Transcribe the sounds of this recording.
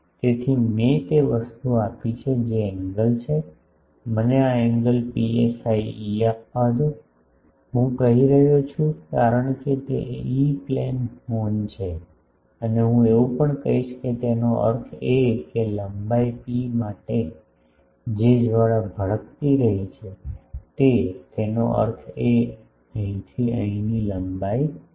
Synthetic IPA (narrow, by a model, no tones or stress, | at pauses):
t̪et̪ʰimet̪eʋəst̪uapit͡ʃʰed͡ʒeɛ̃ŋɡəlt͡ʃʰe | məneaɛŋɡəlpiesaiiapːaɦəd͡ʒo | ɦũkəɦiɾəɦot͡ʃʰũkaɾəɳ̃ket̪ḛiplenhont͡ʃʰe | əneɦũeʋupəɳkəɦiʃket̪enoʔə̰ɾt̪ʰekeləmbaipimaʈe | d͡ʒed͡ʒʋaɽabʱəɭəkt̪iɾəɦit͡ʃʰet̪et̪enoʔə̰ɾt̪ʰe | əɦĩt̪ʰiə̰ɦĩniləmbaji